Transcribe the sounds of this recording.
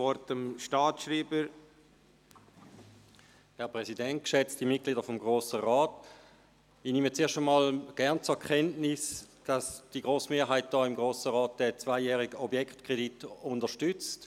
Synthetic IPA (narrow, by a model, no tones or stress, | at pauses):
ɔɾtəmʃtɑːtʃɾiːbə | hɛɐpʁɛsidɛnt̚kʃɛt͡std̥imɪt̚ɡliːdəfɔmɡʁoːsəʁɑːt | inimət͡seːɐʃtəmɑːlɡ̥ɛɐnt͡suɐkʰɛntnɪsd̥asd̥iɡʁoːsmeːɐɦaɪt̚d̥ɔːɪmɡ̥ʁoːsəʁɑːt̚d̥ɛt͡svaɪjɛːʁɪɡ̥əɔbjɛkχtkʁ̥editʊndəʃtʏt͡st